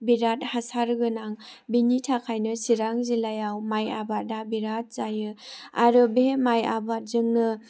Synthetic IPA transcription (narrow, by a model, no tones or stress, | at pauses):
biɾat̚hasaɾɡɯnaŋ | binitʰakʰajnɯsiɾaŋzilajawmajabat̚dabiɾat̚z̥ajɯa̰ɾɯbemajabat̚zɯŋnɯ